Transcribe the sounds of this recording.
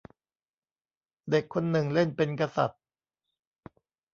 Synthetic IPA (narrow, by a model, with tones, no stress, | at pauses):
de˨˩kʰːo˧nːɯ˨˩ŋle˥˩npe˧nka˧sa̰˨˩t̪̚